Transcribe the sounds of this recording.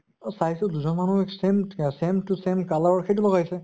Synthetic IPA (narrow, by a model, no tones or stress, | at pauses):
sajsɔduzɔnmanuɛksemsemtusemkalɔɹɔɹkʰet̬ulɔɡajsɛ